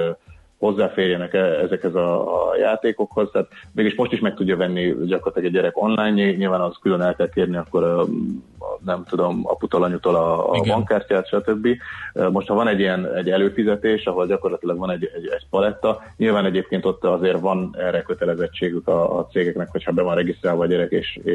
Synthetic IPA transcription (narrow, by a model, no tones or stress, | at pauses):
ho̞zːaːfeːrjɛnɛkɛɛzɛkhɛzɒ̰ja̰ːt̪eːko̞kho̞zt̪aːt̪veːɡiʃmo̞ʃt̪iʃmɛk̚t̪uɟːɒvɛnːiɟɒkorlt̪ilɒɡɛɟːɛɾɛko̞nlaːjɲiɲilvaːnɒɦoskylønɛlkɛlk̪eːrniɒkːo̞ɾ | nɛmt̪ud̪o̞mɒ̰put̪olɒɲut̪o̞lɒ̰ːbɒŋkaːrcaːt̪ʃɒt̪øbːimo̞ʃt̪hɒvɒnɛɟːijɛnɛɟːɛløːfizɛt̪eːʃɒɦo̞lɟɒko̞rlɒt̪ilɒɡvɒnɛɟɛɟɛɟpɒlɛt̪ːɒɲilvaːnɛɟeːp̚keːnt̪o̞t̪ːɒzeːrvɒnɛrɛkø̞t̪ɛlɛzɛt͡ʃːeːɡykɒ̰ːt̪seːɡɛknɛkhocʰhɒbɛvɒnrɛɡist̪raːlvɒːɟɛɾɛkeːʃeː